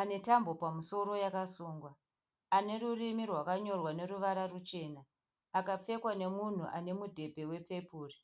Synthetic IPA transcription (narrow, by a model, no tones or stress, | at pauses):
ane̞tambo̞pamuso̞ɾo̞jakasuːŋɡwaː | ne̞ɾurimirwakaɲo̞rwane̞ruʋaɾarut͡ʃe̞ːnaː | kap͡fe̞kwane̞mun̤ṵʔane̞mudʱe̞bʱe̞we̞pe̞puːri